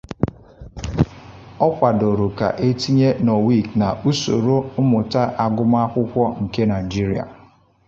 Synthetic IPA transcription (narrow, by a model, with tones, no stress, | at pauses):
ɔ˦kʷa˨do˨ɾo˨ka̰˨ʔe˦ti˦ɲe˦no˨wi˦˨kna˨ʔu˦so̰˨ɾo˦ʊ˦mʊ˨ta˦ʔa˨ɡʊ˦m˦a˦kʷʊ˦kʷɔ˦ŋ̩˨ke˦na˨ɪ˨d͡ʒi˦ɾi˨a̰˨